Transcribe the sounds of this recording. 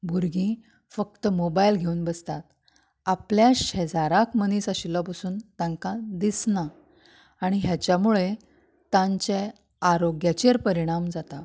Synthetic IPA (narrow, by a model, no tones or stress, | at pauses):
bʱuɾɡĩ | fək̚t̪əmobailɡʱeuːnbəst̪at̪̚ | apljaɕəd͡zaɾakməniːsaɕilapasuːnt̪ãŋkad̪isnaː | ɽ̃iɦjat͡ɕjamuɭe | t̪ãɲt͡ɕe | aɾoɡjat͡ɕeɾpəɾiɽ̃amd͡zat̪a